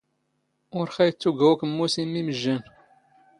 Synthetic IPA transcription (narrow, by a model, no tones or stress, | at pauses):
ʊɾχæjət͡sːuɡæwækmːusimːiməʒːən